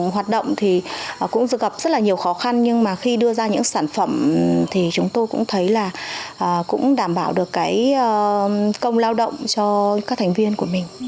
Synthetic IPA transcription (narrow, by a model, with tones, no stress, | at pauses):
ɦwaː˨˩t̚ɗə̰˧˨wŋ͡mt̪ʰi˨˩˨kʊ̰˧˥ŋ͡mzɨ˧ɣə˨˩p̚zə˦˥t̚laː˨˩ɲi˨˩əwxɔ˨˦xa˧nɲɨ˧ŋmaː˨˩xi˧ɗɨ˧əzaː˧ɲɨ̰˧˥ŋsaː˧˩nfə˧˩mt̪ʰi˨˩t͡ɕʊ˨˦ŋ͡mt̪o˧jkʊ̰˧˥ŋ͡mt̪ʰə˨˦jlaː˨˩ʔəː˨˩kʊ̰˧˥ŋ͡mɗaː˧˩mɓaː˧˩wɗɨ˨˩əkːaː˨˦jːkə˧wŋ͡mlaː˧wɗə̰˧˨wŋ͡mt͡ɕɔ˧kaː˦˥k̚t̪ʰŋ̟vi˧ənku˧˩əmï˨˩ŋ̟